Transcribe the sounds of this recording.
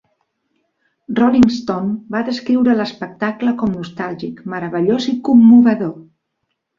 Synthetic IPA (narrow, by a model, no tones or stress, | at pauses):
rɔliŋst̪ombaðəskɾiwɾələspək̚t̪akləkɔmnust̪alˠʒikməɾəβəʎozikumːuβəðo